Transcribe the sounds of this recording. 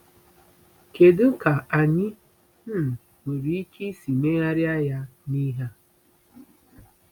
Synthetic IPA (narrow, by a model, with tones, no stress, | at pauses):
ke˨dɪ˦ŋ̩˦ka˨a˨ɲɪ˦ | m̩˦˨ | ŋʷe˨ɾi˨i˦ki˦si˨me˦a˦ɾja˦ja˦ni˦ɦa˦